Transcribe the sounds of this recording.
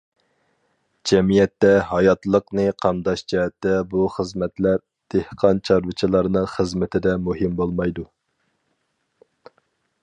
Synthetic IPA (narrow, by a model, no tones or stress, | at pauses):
d͡ʒɛmijɛt̪ːɛɦɑjɑt̪lˠəqnɨqʰɑmd̪ɑʃd͡ʒɛɛt̪ːɛbuχəzmɛt̪læɾ | d̪̥ehqʰɑnt͡ʃʰɑɾvɨt͡ʃʰilˠɑɾnɨŋχəzmɪt̪ʰɪd̪ɛmuɦimbolˠmɑjd̪u